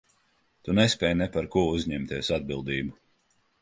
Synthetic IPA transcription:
t̪unɛspʲɛːjnɛpaɾkuɔuzɲɛmt̪iɛsad̪̚bilˠd̪iːbu

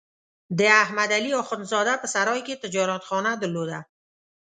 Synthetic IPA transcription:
d̪əahmad̪aliɔxʊnzɔd̪apəsaɾɒjket̪əd͡ʒɑɾat̪xɔnad̪əlod̪a

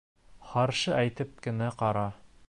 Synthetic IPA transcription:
χɑɾʃɤʔæjt̪ɘp̚kɘ̆næqɑɾɑ

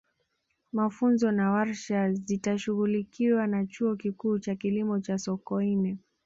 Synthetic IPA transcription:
mafunzɔnawaɾʃazitaʃuɣulikiwanat͡ʃuɔkikuːt͡ʃakilimɔt͡ʃasɔkɔinɛ

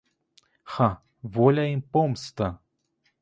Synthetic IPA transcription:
xa | volʲaimpomst̪a

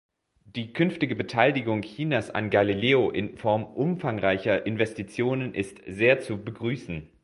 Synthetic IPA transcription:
d̥iːkʰʏnftɪɡəbətʰaɪlɪɡʊŋçiːnasa̰nɡalileːoʔɪnfɔɐmʔʊmfaŋʁaɪçɐʔɪnvɛstit͡sjoːnənʔɪstz̥eːɐt͡subəɡʁyːsn̩

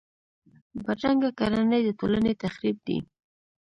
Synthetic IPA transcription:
baʈ͡ʂaŋɡakaɾanəjd̪ət̪olanet̪axɾib̚d̪ḭ

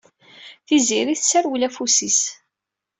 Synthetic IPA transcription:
θiziɾiθsæɾwlæfusis

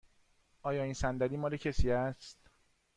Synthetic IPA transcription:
ʔɒːjɒːiːnsænd̪æɾiːmɒːlecʰesiːæst̪

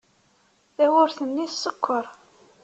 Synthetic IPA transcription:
θæwʊɾθənːisːəkʰʷːəɾˤ

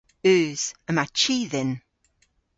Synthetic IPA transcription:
ʉːz̥əmat͡ʃʰiːðɪn

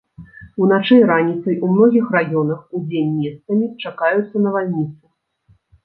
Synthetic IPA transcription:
unat͡ʂɛjɾanʲit̪sɐjʔumnɔɣʲixrajɔnɐxud͡zʲenʲmʲest̪sɐmʲit͡ʂakajut̪sːɐnɐvalʲnʲit̪sɨ

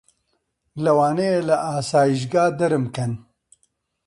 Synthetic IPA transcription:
lɐwaːnejelɐʔaːsaːjiʃ̬ɡaːd̪ɐɾɨmkɐn

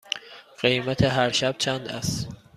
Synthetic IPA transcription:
ɢ̥ejmæt̪ʰeɦæɾʃæb̥̚t͡ʃʰænd̪æst̪

